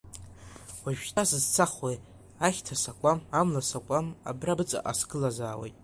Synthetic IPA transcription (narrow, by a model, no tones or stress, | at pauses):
waʒᶣtʰʼasɨzt͡sʰaχwej | aχʲtʰasakʷʼamamlasakʷʼama̰brabɨt͡sʼa̰ʔaskʰʼɨlazaːwḛjtʼ